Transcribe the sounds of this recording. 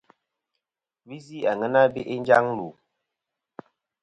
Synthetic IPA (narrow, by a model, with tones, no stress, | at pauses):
βi˦zi˦˨a˨ŋə˦na˦bi˦ʔe˦nd͡ʒa˦ŋlu˨